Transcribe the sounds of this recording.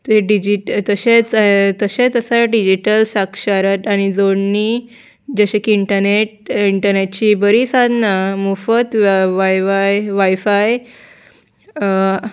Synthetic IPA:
t̪eɖid͡ʑiʈt̪əɕet͡st̪əɕet͡səsaɖid͡ʑiʈəlsakʂaɾət̪añid͡zoɳni | d͡ʑəɕekiiɳʈəɾneʈ̚iɳʈəɾneʈ̚t͡ɕibəɾisad̪ʱnamufət̪ʋajʋajʋajfaj

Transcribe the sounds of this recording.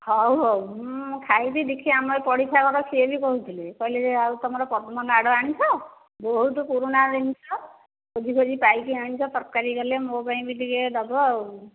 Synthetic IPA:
hɔwɦɔwkʰajt̪id̪ikʰiamɔjpɔɽipʰakɔɾɔkʰiebikɔɦut̪ʰilekɔileeawt̪ɔmɔɾɔpɔt̪mɔnaɽɔaɽ̃it͡ʃʰɔ | bɔɦut̪ukuɾunad̪init͡ʃʰɔ | kod͡ʒikʰod͡ʒipajkiañit͡ʃʰɔt̪ɔɾkaɾikɔlemobaĩbid̪iked̪ɔbɔ

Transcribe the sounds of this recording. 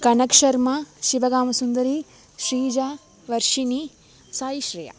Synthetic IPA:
kɐnɐkʂɐɾmɐʃiʋɐɡaːmɐsund̪ɐɾi | ʃɾiːd͡ʒa | ʋɐɾʃini | saːjiʃɾɐjɐ̰

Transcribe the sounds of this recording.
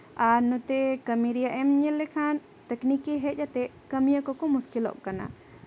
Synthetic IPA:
anut̪ɛkəmiɾijaʔɛmɲɛlːɛkʰan | t̪ɛknikiɦɛt̚ˀjat̪ɛ | kəmijəkɔkɔmuskilɔ̰ʔkana̰

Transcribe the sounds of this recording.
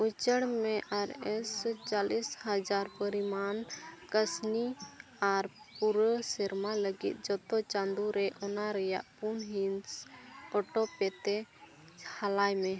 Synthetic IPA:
ut͡ʃəɽmɛʔaɾɛst͡ʃalishəd͡ʒaɾpəɾimankəsni | aɾ | puɾəsɛɾmaləɡḭt̪̚d͡ʒɔt̪ɔt͡ʃand̪uɾɛʔɔnaɾɛja̰ʔpunɦinsɔʈɔpɛt̪ɛ | halajmɛ

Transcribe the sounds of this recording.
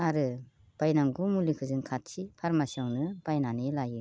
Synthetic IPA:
aɾɯ | b̥ajnaŋɡumulikʰɯzɯŋkʰatsipʰaɾmasiawnɯbajnanilajɯ

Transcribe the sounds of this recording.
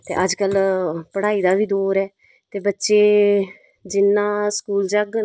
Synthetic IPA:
t̪ḛːʔəd͡ʒkəlpəɽaːiːd̪aːʋiːd̪oːɾɛː | t̪eːbətːʃeː | d͡ʒɪnːãːskuːld͡ʒəɡ

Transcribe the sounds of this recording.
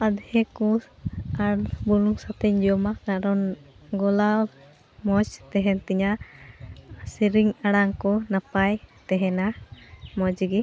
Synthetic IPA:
ad̪hɛkɔ | aɽbuluŋsat̪ɛɲd͡ʒɔmakaɽɔn | ɡɔlal | mɔt͡ʃt̪ɛɦɛnt̪iɲa | siɾiŋaɽaŋkɔnapajt̪ɛɦɛnamɔd͡ʒiɡi

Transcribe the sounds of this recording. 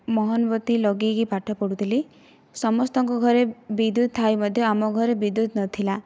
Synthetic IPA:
mɔɦɔnbɔt̪ilɔɡikipaʈʰɔpɔɽut̪ʰili | sɔmɔst̪ɔŋkɔɡʱɔɾebid̪ut̪̚t̪ʰːajmɔd̪ʱjɔamɔɡʱɔɾebid̪ut̪nɔt̪ʰila

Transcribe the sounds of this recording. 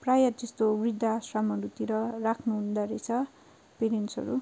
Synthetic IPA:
prajʌd͡zest̪obrid̪ʱːasramʌɾut̪iɾʌrakʰnuɦund̪aɾet͡sʰʌ | peɾensʌ̰ɾu

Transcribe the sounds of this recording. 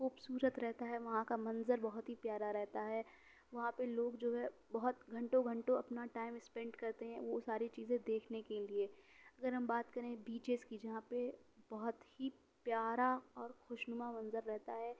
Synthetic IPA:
xuːbsuːɾət̪ɾɛɦt̪aɦɛʋɐɦãkamɐ̃nzəɾbɐɦʊt̪ɦipjaːɾaɾɛɦt̪aɦɛː | ʋɐɦãpeloːɡd͡ʒoːɦɛbɐɦʊt̪ɡʱɐ̃ɳʈõɡʱɐ̃ɳʈõɐpnaʈaːɪmɪspɛ̃ɳɖkɐɾt̪eɦɛ̃ʋosaːɾit͡ʃiːzẽd̪eːkʰnekelieɐɡəɾɦɐ̃mbaːt̪kɐɾẽbiːt͡ʃeskid͡ʒɐɦãpebɐɦʊt̪hi | pjaːɾaɔːɾxʊʃnʊmamɐ̃nzəɾːɛɦt̪aɦɛː

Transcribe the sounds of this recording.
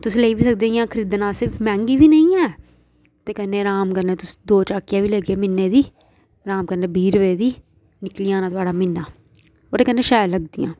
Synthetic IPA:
t̪ʊsːleːibiːsək̚d̪ẽjãːkʰəɾiːd̪nãːsɪɾfʰmɛ̃ːŋɡiːbiːnəĩːɛː | t̪eːkənːeːɾaːmkəɾneːt̪ʊsd̪oːt͡ʃaːkjaːbiːləɡeːmɪnːeːd̪iː | ɾaːmkəɾneːbʱiːɾʋeːd̪iː | nɪklijãːnãːt̪ʊaːɖaːmɪnːaː | oːt̪eːkənːeːʃaːjləɡ̚d̪ḭjã̰ː

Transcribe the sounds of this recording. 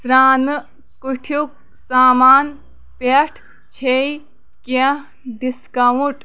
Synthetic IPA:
sɾaːnɨ | kuʈʰjuk̚ | saːmaːn | peʈʰ | t͡ʃʰei | ke | ɖiskɐwuʈ

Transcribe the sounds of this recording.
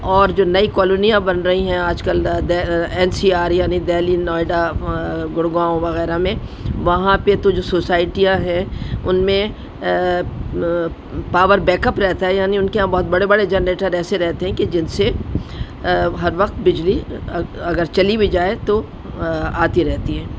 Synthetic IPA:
ɔːɾd͡ʒoːnɐikɔːloːnijãbɐnɾɐɦiɦɛ̃aːd͡ʒkəld̪ɛɛːnsiːaːɾjaːnid̪ɛːlinɔːɪɖaɡʊɽɡãːõʋɐɣɛːɾamẽʋɐɦãpet̪od͡ʒoːsoːsaːɪʈijãɦɛ̃ʊnmẽ | paːʋəɾbɛ̃ːkəpɾɛɦt̪aɦɛjaːniʊnkeãbɔɦːʊt̪̚bɐɽebɐɽed͡ʒɛnɾeːʈəɾɛːseɾɛɦt̪eɦɛ̃ked͡ʒɪnse | ɦɐɾʋɐqt̪bɪd͡ʒliɐɡəɾt͡ʃɐlibʱid͡ʒaːet̪o | aːt̪iɾɛɦt̪iɦɛ̃ː

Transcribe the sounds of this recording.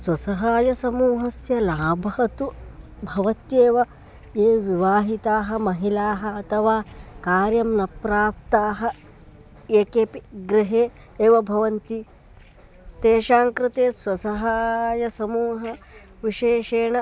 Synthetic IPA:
swɐsɐɦaːjɐsɐmuːɦɐsjɐlaːbʱɐɦɐt̪u | bʱɐʋɐt̪jeːʋɐ | eːʋiʋaːɦit̪aːɦɐ̆mɐɦilaːɦɐːt̪ʰɐʋaːkaːɾjɐmnɐpɾaːp̚t̪aːɦɐ̆ | eːkeːpiɡɾɪɦeː | eːʋɐbʱɐʋɐnt̪i | t̪eːʃaːŋkɾɪt̪eːswɐsɐɦaːjɐsɐmuːɦɐ | ʋiʃeːʃeːɳɐ

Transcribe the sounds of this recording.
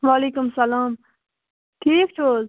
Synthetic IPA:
ʋaleːkʊmsɐlaːm | ʈʰiːk̚t͡ʃʰoːz

